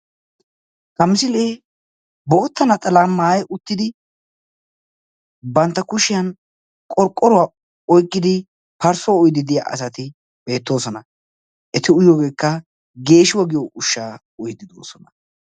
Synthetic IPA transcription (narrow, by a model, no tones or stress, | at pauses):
hɐmɪsɪleː | boːt̪ːɐnɐt̪ʼɐlamːaːjʊt̪ːɪd̪ɪ | bɐnt̪ːɐkʊʃɪjɐn | kʼɔɾkʼːɔɾʊwa | ɔjkʼːɪd̪ɪ | pɐɾsɔɔjd̪ɪd̪ɪja̰ʔɐ̰sɐt̪ɪ | be̞ːt̪ːo̞ːsɔnɐ | ʔɛt̪ɪʊjoːɡe̞ːkːɐ | ɡe̞ːʃɪwɐɡɪjɔʔʊʃːaː | ɔjd̪ɪd̪o̰ːsɔnɐ